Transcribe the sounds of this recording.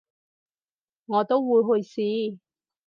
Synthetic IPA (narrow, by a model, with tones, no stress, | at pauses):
ŋɔː˨˧t̪o˥wwuː˨˧jɦɵ˧jsiː˨˧